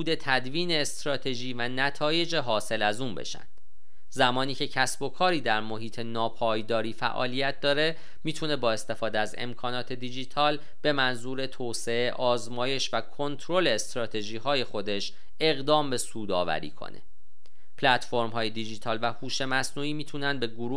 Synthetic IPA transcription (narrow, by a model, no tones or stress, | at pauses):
uːd̪e̞t̪ʰæd̪viːne̞ːst̪ɾɒːt̪ʰe̞ʒiːvænæt̪ʰɒːje̞d͡ʒeɦɒːse̞læzuːnbe̞̰ʃæ̰nd̪̥ | zæmɒːniːcʰe̞cʰæsbo̞kʰɒːɾiːd̪æɾmo̞ɦiːt̪ʰe̞nɒːpʰɒːjd̪ɒːɾiːfæ̰ʔɒ̰ːlijæt̪̚d̪ɒːɾe̞ | miːt̪ʰune̞bɒːe̞st̪e̞fɒːd̪eæzḛmkʰɒːnɒːt̪ʰe̞d̪id͡ʒit̪ʰɒːl | b̥e̞mænzuːɾe̞t̪ʰoːse̞e̞ʔɒːzmɒːje̞ʃvækʰo̞nt̪ʰɾo̞le̞ːst̪ɾɒːt̪ʰe̞ʒiːɦɒːje̞xo̞d̪e̞ʃ | e̞ɣd̪ɒːmbe̞suːd̪ɒ̰ːvæ̰ɾḭːkʰo̰nḛ | pʰlæt̪fo̞ɾmɦɒːje̞d̪id͡ʒiːt̪ʰɒːlvæhuːʃe̞mæsnuːiːmiːt̪ʰunænd̪be̞ɡoɾuː